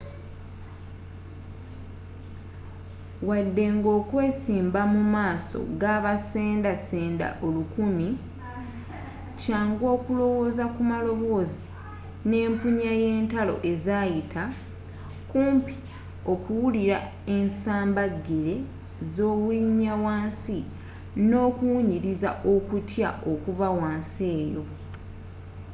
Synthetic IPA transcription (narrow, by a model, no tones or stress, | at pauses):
wadːe̞ŋɡo̞ːkwe̞ːsiːmbamumaːso̞̰ɡaːβaseːndaseːnda̰ʔo̞lukumi | caːŋɡo̞ːkulo̞wo̞ːzakumalo̞βo̞ːzi | ne̞ːmpuɲaje̞ːntalo̞̰ʔe̞zaːjitʰa | kuːmpi̥ | o̞kuwuliɾa | ensaːmbaɡːeɾe̞ | zo̞ːβuliɲːawaːnsi | no̞ːkuwuɲiɾizaʔo̞kutjao̞kuvawaːnse̞ːjo̞